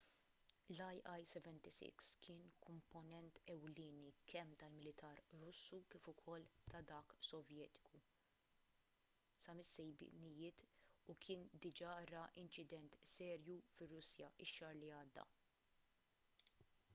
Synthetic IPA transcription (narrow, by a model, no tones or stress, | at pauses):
lɐjʔɐjsɛvɛnt̪isɪ̰kskʰɪːnkʰɔmpɔnɛnt̪ɛwlɪːnikʰɛmːt̪ɐlmɪlɪt̪ʰɐːɾɾʊsːukɪːfʊkʰɔlt̪ɐd̪ɐːksɔvjɛːt̪ɪ̥kʰu | sɐmɪsːɛjb̰nɪjɪːt̪ukʰɪːnd̪ɪd͡ʒɐɾɐʔɪnt͡ʃɪd̪ɛnt̪sɛːɾjufɪrːʊsjɐʔɪʃːɐɾliɐːd̪ːɐ̰